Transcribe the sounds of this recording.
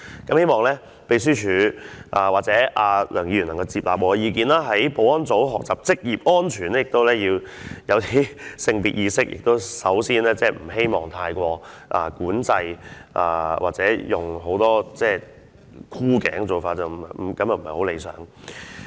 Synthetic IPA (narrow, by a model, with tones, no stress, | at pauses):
kɐ˨˥mhe˥jmɔː˨ŋlɛː˥ | pe˨js̬yː˥t͡ʃʰyː˨˥ʔaː˨waː˨t̚t͡sɛː˨˥ʔaː˧lʔœː˨˩ŋjiː˧ɥyː˨˩nɐ˨˩kɐ˧t͡siː˨p̚laː˨p̚wɔː˨˧ɛ˧jiː˨˧k̬iː˨˧naː˥ɦɐ˨˥jpo˨˥wɔː˥nt͡so˨˥wɦɔː˨k̚t͡saː˨p̚t͡sɪ˥k̚jiː˨p̚ɔː˥nt͡ʃʰyː˨˩nɛ˥jɪ˨k̚t̪o˥wlɛː˥jiː˧wjɐ˨˧wt̪ʰiː˥sɪ˧ŋpiː˨t̚jiː˧sɪ˥k̚jɪ̰˨k̚t̪o˥wsɐ˨˥wsiː˥nlɛː˥t͡sɛː˥˩m̩˨˩ɦe˥jmɔː˨ŋt̪ʰaː˧jkʷɔː˧ʔaː˨˧kuː˨˥nt͡sɐ˧jʔaː˨wʔaː˨˩t͡sɛː˨˥jʊ˨ŋɦo˨˥wt̪ɔː˥t͡sɛː˥˧˩ | kʰuː˥kɛ̰ː˨˥ŋ˧˩t͡so˨wfaː˧t̚t͡sɐ˨wm̩˨˩˨m̩˨˩kɐ˨˥mjɐ˨m̩˨˩hɐ˨˩ho˨˥wle˨˧jsœ̰ː˨˥ŋ